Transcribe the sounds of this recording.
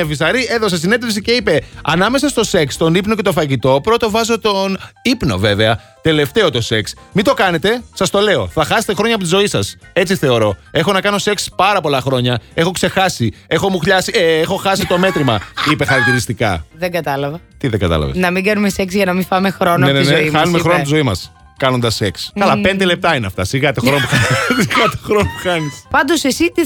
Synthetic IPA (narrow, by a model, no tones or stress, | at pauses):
evisɐɾieðo̞ses̬ine̞t̪efsice̞ipe̞ɐnɐme̞sɐst̪o̞se̞kst̪o̞nipno̞ce̞t̪ofɐʝit̪o̞pɾo̞t̪o̞vɐzo̞t̪o̞nipno̞̰ve̞ve̞ɐ | t̪e̞le̞ft̪e̞o̞t̪o̞se̞ks | mit̪o̞kɐnet̪e̞sɐst̪o̞le̞o̞θɐxɐset̪e̞xɾo̞ɲɐːpot̪izo̞isɐse̞t͡siθe̞o̞ɾo̞e̞xo̞nɐkɐno̞se̞kspɐɾɐpo̞lɐxɾo̞ɲɐe̞xo̞kse̞xɐsie̞xo̞muxʎɐsiexo̞xɐsit̪o̞me̞t̪ɾimɐipe̞xɐɾɐk̚t̪iɾist̪ikɐðeŋɡɐt̪ɐlɐvɐt̪iðeŋɡɐ̰t̪ɐ̰lɐ̰vḛsnɐmiɡɐnumeseksʝɐnɐmifɐmexɾonoeneinezoiɐnumexɾo̞not̪izo̞imɐs | kɐno̞nd̪ɐsekskɐlɐpe̞nd̪e̞le̞p̚t̪ɐineɐft̪ɐsiɣɐt̪oxɾonopuxɐsiɣɐt̪eoxɾonopuxɐnispɐnd̪o̞sesit̪i